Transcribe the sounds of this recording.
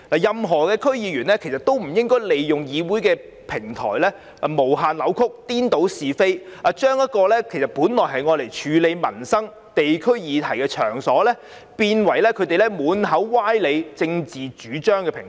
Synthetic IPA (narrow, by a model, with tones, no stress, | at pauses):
laː˨˩jɐ˨mɦɔː˨˩kɛː˧kʰɵ˥ɥjiː˨˧jyː˨˩nlɛː˥kʰe˨˩jsɐ˨t̪o˥wm̩˨˩jɪ˥ŋkɔː˥jle˨jjʊ˨ŋjiː˨˧wuː˨˥jkɛː˧ | pʰɪ˨˩ŋt̪ʰɔ̰ː˨˩jlɛː˥ | ɐ˨˩mo˨˩wɦaː˨nlɐ˨˧wkʰʊ˥k̚t̪iː˥nt̪o˨˥wsiː˨fe˥jʔa˨˧t͡ʃœː˥ŋjɐ˥t̚kɔː˧lɛː˥kʰe˨˩jsɐ˨˩t̚puː˨˥nlɔː˨˩jɦɐ˨jŋɔː˨˧le˨˩jt͡ʃʰyː˨˧le˨˧jmɐ˨˩nsɐ˥ŋ | t̪e˨jkʰɵ˥ɥjiː˨˧t̪ʰɐ˨˩jkɛ˧t͡ʃʰœ̰ː˨˩ŋsɔː˨˥lɛː˥ | piː˧nwɐ˨˩jlɛː˥kʰɵ˨˧ɥt̪e˨jlɛː˥muː˨˧nɦɐ˨˥wwaː˥jle˨˧jt͡sɪ˧ŋt͡siː˨t͡ʃyː˨˥t͡ʃœː˥ŋkɛ˧pʰɪ˨˩ŋ˨